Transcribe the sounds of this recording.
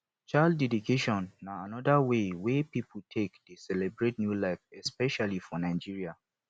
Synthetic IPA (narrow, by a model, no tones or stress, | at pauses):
t͡ʃaldɛdikʰeʃɔ̃nːaanɔdawewepiputʰekdesɛlɛbɹetnjulaɪfɛspɛʃalifɔnãɪd͡ʒiɹia